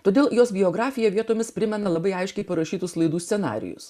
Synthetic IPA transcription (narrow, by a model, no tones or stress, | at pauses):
t̪oːd̪ʲeːlˠjoːsbʲɪoːɡɾɑːfʲɪjɛʋʲiɛt̪oːmʲɪspʲɾʲɪmʲɛnɐlˠɐbɐɪɐɪʃʲkʲɛɪpɐɾɐʃʲiːt̪ʊslˠɐɪd̪uːsʲsʲɛnɑ̰ːɾʲɪ̰jʊ̰s